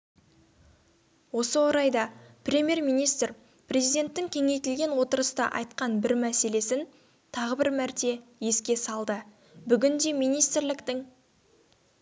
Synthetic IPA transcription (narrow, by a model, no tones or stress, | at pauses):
wo̞səwo̞ɾɑjd̪ɑprʲe̞mʲje̞ɾmijnijst̪r | prʲe̞zijd̪e̞nt̪ːɪŋkʲʰe̞ŋe̞jt̪ɪlɡʲe̞nwo̞t̪əɾəst̪ɑ̰ʔɑ̰jt̪qɑnbɪɾmæse̞le̞sɪn | t̪ʰɑʁəbɪɾmæɾt̪e̞je̞skʲe̞sɑlˠd̪ə | bʏɡʲɪnd̪e̞mijnijst̪ɾlɪkt̪ɪŋ